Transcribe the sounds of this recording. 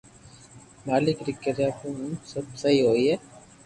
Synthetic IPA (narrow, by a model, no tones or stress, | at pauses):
maːlɪkɾɪkːəɾaːpũːnsɐbsɐɦiɦoːiɦɛː